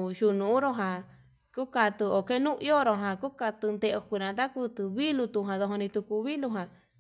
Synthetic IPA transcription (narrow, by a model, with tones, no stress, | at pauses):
ʃu˧nũ˨˦ɾo˧ɦã˧ | ku˦ka˧t̪ɨ˧o˨ke˦nũ˦ʔi˦o˦ɾo˧ɦã˧˨ku˦ka˧t̪ɨ˧nd̪e˧ʔo˧kʷi˧nã˧t̪a˦ku˦t̪ɨ˧βi˦lu˧t̪u˧˨ɦã˨ðo˧ɦo˧nĩ˧t̪u˧ku˧βi˦lu˧ɦã˨